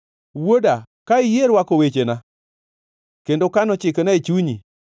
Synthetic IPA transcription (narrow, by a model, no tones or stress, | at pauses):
woda | kaɪjeɾwakowet͡ʃena | kendokanɔt͡ʃɪkenait͡ʃuɲi